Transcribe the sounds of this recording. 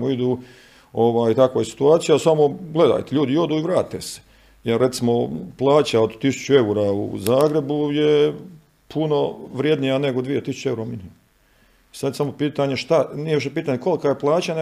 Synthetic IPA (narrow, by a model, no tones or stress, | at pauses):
moid̪u | o̞ʋaːjit̪akʋojesi̥t̪uaːt̪sijasamo̞ɡle̞d̪a̰ːjt̪eʎuːd̪io̞d̪uːiʋɾaːt̪ese̥ | jeɾːe̞t̪simo̞plˠaːt͡ɕaod̪t̪ːisu̥t͡ɕt͡ʃue̞uɾaṵzaːɡɾe̞buje | pʰuno̞ʋɾjed̪nijane̞ɡod̪ʋije̞t̪isu̥t͡ɕeuɾaminim | isad̪jesamo̞piːt̪aɲeʃt̪anijeiʃepiːt̪aɲeko̞likajeplˠaːt͡ɕane